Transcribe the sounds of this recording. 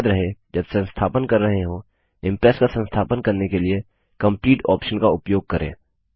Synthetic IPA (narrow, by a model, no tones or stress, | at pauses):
d̪ɾɐɦed͡ʒɐbsɐ̃nst̪ʰaːpənkɐɾːɐɦeɦo | ɪ̃mpɾɛːskasə̃nst̪ʰaːpənkɐɾnekelie | kɐ̃mpliːʈɔ̰ːpʃənkaʊpjoːɡ̚kɐɾḛ̃ː